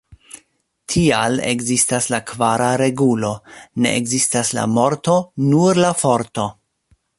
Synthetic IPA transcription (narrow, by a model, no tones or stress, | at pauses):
tʰialḛkzistaslakvaɾaɾe̞ɡulo̞ne̞̰ʔekzistasla̰mo̞ɾto̞nuɾlafo̞ɾto